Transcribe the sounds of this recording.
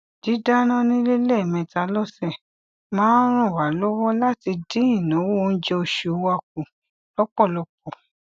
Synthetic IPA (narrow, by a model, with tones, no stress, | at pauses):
di˨˦da˦ñã˦nĩ˦le˦lɛ˦˨mɛ̃˧˨ta˧˦lɔ˦sɛ˦˨ | mãː˨˦n̩˦ɾ̃ũ˦˨wa˨˦lɔ˦wɔ˦la˦ti˧dĩ˦ĩ˦˨nã˨˦wo˦˨n̩˦d͡ʒɛ˧o˨ʃe˨˦wa˦˨k̚u˨ | lɔ˦k͡pɔ˦˨lɔ˧k͡p̚ɔ˨